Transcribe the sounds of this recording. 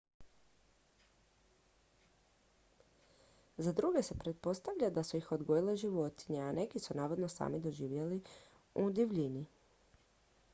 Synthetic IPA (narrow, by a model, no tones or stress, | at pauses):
zad̪ɾuɡe̞se̞pɾe̞t̪̚po̞st̪aʋʎad̪asuixo̞d̪ɡo̞jile̞ʒiʋo̞t̪i̥ɲeane̞kisunaːʋod̪no̞sa̰ːmid̪o̞ʒiːʋjeli | ud̪iʋʎini